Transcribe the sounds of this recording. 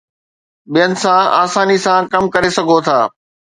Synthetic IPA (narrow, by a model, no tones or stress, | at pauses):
ɓijənɪ̆sãaːsaːnisãkɐmkɐɾesɐɡʱot̪ʰaː